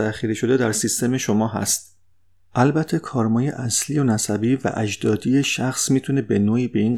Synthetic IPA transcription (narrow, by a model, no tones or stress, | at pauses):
æxiːɾiʃo̞d̪e̞d̪æɾsist̪e̞me̞ʃomɒːɦæ̰st̪̚ | ʔælbæt̪ʰːe̞kʰɒːɾmɒːje̞̰ʔæsliːjonæsæbiːvæ̰ʔæd͡ʒd̪ɒːd̪ije̞ʃæxsmiːt̪ʰune̞be̞noːiːbe̞iːn